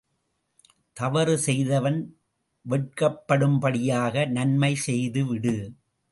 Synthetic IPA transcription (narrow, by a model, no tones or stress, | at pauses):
t̪ɐʋɐɾɯsɛjðɐʋɐn | ʋɛʈ̚kɐpːɐɽɯmpɐɽɪjaːɣɐnɐnmɐɪsɛjðɯʋɪɽɯ